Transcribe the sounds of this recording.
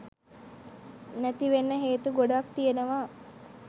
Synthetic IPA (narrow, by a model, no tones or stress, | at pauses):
næt̪iʋenːəɦeːt̪uɡoɖakt̪ijenəʋa